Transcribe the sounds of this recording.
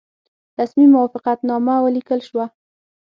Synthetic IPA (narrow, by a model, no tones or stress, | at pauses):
ɾasmimːʊwɑfɪqat̪nɑmawəlikəlʃwa